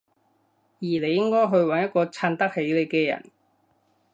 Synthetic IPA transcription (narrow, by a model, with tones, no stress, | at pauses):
jiː˨˩le˨˧jɪ˥ŋkɔː˥jɦɵ˧ɥwɐ˨˥njɐ˥t̚kɔː˧t͡sʰaː˧nt̪ɐ˥k̚he˨˥jle˨˧jkɛː˧jɐ̰˨˩n